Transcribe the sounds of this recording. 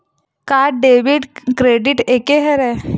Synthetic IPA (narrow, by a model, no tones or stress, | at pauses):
kaːɖeːʋiɖkɾeːɖiʈeːkeɦɛɾɛ